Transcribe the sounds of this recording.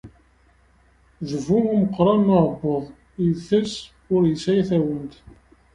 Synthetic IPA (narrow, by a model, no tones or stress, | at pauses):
ðəvuuməqːɾˤɑnməʕbːəðˤ | əθəs | ʊɾjəsæjθæwənt̪